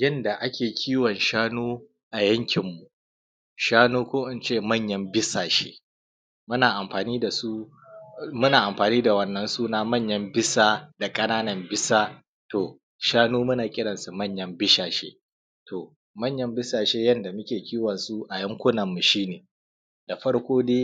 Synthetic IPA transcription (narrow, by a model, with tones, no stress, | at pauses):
jɐ˦nda˨ʔa˦kʲeː˨kʲʰiː˦wɔ˨nʃaː˦nuː˦ | ʔa˨jɐ˦ŋkʲɪ˨mːu˨ | ʃaː˦nuː˦kʷoː˦ʔɪ˦nt͡ʃeː˦˨mɐ˦˨ɲjɐ˦mbɪ˦saː˨ʃḛː˦ | mʊ˦naː˨ʔa˨mɸaː˨niː˦da˨su˦ | mʊ˦naː˨ʔa˨mɸaː˨niː˦da˨wɐ˦nːɐ˦nsuː˦naː˦mɐ˦ɲjɐ˦mbɪ˦saː˦da˨kʼɐ˦naː˦nɐ˨mbɪ˦saː˦ | toː˨ | ʃaː˦nuː˦mʊ˦naː˨kʲʼɪ˦ɽɐ˨nsu˨mɐ˦˨ɲjɐ˦mbɪ˦ʃaː˨ʃḛː˦ | tʰo˨ | mɐ˦ɲjɐ˦mbɪ˦saː˨ʃeː˦jɐ˦nda˨mʊ˦kʲeː˨kʲʰiː˦wɐ˨nsu˦ʔa˨jɐ˦ŋkʷʊ˦nɐ˨mːu˨ʃiː˦neː˨ | d̥a˨ɸɐ˦ɽkʷoː˦deː˦